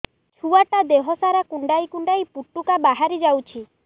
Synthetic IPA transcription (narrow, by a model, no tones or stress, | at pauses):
t͡ʃʰuaʈad̪eɦɔsaɾakuɳɖajkuɳɖajpuʈːukabaɦaɾid͡ʒawt͡ʃʰi